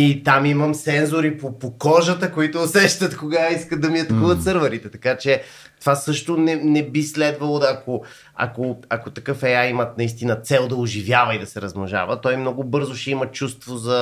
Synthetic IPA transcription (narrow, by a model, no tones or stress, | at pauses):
it̪amiməmsɛnzoɾipopokɔʒət̪əkoit̪oːsɛʃt̪ət̪koɡaiskəd̪ɐmiɐt̪ɐkuvət̪t̪sɤɾvəɾit̪ɛt̪ɐkat͡ʃɛ | t̪ovasɤʃt̪onɛnɛbislɛd̪vɐlˠod̪ːko | ɐ̰koɐkot̪ɐkɤfɛjaimət̪̚nɐist̪inət̪sɛlˠd̪ɐʊʒivjavɐid̪ɐsɛɾɐzmoʒa̰vət̪ɔjmnɔɡʊbɤɾzʊʃɛimɐt͡ʃust̪vozɐ